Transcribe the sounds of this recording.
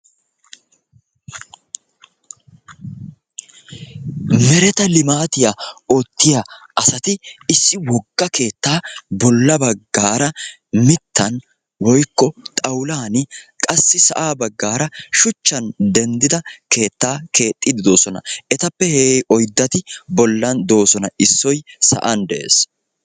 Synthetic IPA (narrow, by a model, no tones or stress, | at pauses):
mɛɾɛt̪ɐlɪmaːt̪ɪjaoːt̪ːɪjaʔɐsɐt̪ɪɪsːɪwɔɡːɐke̞ːt̪ːaːbɔlːɐbɐɡːaːɾɐ | mɪt̪ʰːɐn | wɔjkːɔt̪ʼɐwlaːnɪkʼɐsːɪsɐʔaːbɐɡːaːɾɐʃʊt͡ʃːɐnd̪ɛnd̪ɪd̪ɐke̞ːt̪ːaːkʰe̞ːt̪ʼːɪd̪ɪd̪o̞ːsɔnɐ̰ʔɛt̪ɐpːɛheɛjʔɔjd̪ːɐt̪ɪbɔlːɐnd̪o̞ːsɔnɐɪsːɔjsɐ̰ʔɐnd̪ɛʔḛːs